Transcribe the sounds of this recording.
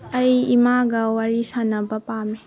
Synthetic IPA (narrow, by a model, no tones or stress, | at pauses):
ɐjimaɡɐwaɾisanɐbɐpami